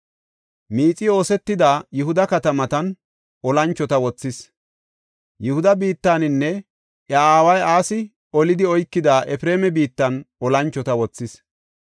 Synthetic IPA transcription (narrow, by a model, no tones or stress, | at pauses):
miːt͡sʼɪo̞ːsɛt̪ːɪd̪aːjʊhʊd̪ɐkɐt̪ɐmɐt̪ɐn | ɔlɐnt͡ʃːɔt̪ɐwɔt͡sːɪs | jʊhʊd̪ɐbiːt̪ːaːnɪnːɛ | ʔɐaːwɐjaːsɪ | ɔlɪd̪ɪɔjkːɪd̪aːʔɛfɾe̞ːmɛbiːt̪ːɐnɔlɐnt͡ʃːɔt̪ɐwɔt͡sːɪs